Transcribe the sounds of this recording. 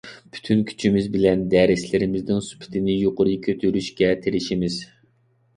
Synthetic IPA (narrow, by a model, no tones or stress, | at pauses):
bʰy̥t̪ʰynkʲʰy̥t͡ʃʰimɪzbɪlɛnd̪ɛɾɪslɪɾɪmɪznɪŋsu̥pʰɪ̥t̪ʰɪnɪjoqʊɾɨkʲʰøt̪ʰyɾyʃkʲɛt̪ʰeɾɪʃimɪz̥